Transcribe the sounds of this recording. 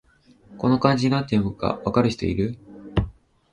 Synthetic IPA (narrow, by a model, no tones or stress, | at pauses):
ko̞no̞kãɲ̟d͡ʑiɲinat̪̬ːemɯka̰βakaɾɯ̟çi̥t̪o̞̰ḭɾɯ̟